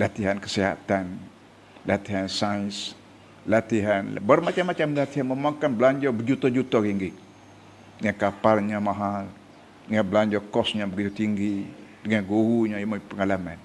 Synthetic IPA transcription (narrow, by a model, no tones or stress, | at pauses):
lat̪iɦankə̥siɦa̰t̪an | lat̪iɦansajns | lat̪iɦan̰bərmat͡ʃamːat͡ʃamlat̪iɦanməmaŋkanbəlaɲd͡ʒɔbəd͡ʒut̪ɔd͡ʒut̪ɔɾiŋɡɪk̚ | dəŋankapalɲamaɦal | dəŋanbəlaɲd͡ʒɔkɔsɲabəɡit̪ut̪iŋɡidəŋanɡohuɲajimapəŋalama̰n